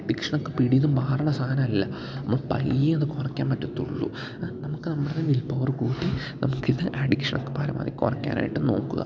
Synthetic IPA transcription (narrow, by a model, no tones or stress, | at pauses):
ɐɖikʂɐɳokːepiɽijɐnumbʱaːrɐɳɐsaːɐnɐmɐlːɐ | ɐmːoːɭpɐ̰ljiɐðɨkorɐkʲːaːnpɐtːɐt̪ːuɭːṵ | nɐmukːɨnɐmːɐɽenːeːʋilpɐʋɐrkuːʈːi | nɐmukːiðɨʔɐɖikʂɐɳʔokːe̥pɐɾɐ̰ma̰ːðikʲːo̰rɐkʲːa̰ːnʔa̰ːjiʈːɨno̞̰ːkːuɣɐ̰